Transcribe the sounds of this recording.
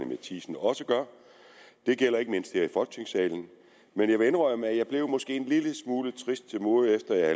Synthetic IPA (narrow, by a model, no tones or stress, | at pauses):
əmet͡sʰḭːsn̩ɒ̽səɡ̥ɶɐ | d̥e̝ɡ̥el̰ɐe̝ɡ̥əme̝n̰sd̥heɐifɒ̽lɡ̥̚t͡sne̝ŋsɛ̰ːln̩ | menjɑ̈ʋe̝enʁɒ̽ɪ̰ɐmæjɑ̈ɪb̥le̝ʊmɒ̽sɡ̥e̝̰ːenliləsmuːlət͡sʰʁisd̥̚t͡sʰe̝lmoːefd̥ɐjɑæ